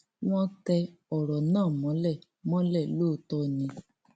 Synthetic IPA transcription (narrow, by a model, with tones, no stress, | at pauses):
w̃ɔ̃˦tɛ˧ɔ˨ɾɔ˨nãː˦˨mɔ̃˨˦lɛ˦˨ | mɔ̃˦lɛ˦˨loː˦˨tɔ˦˨nĩ˧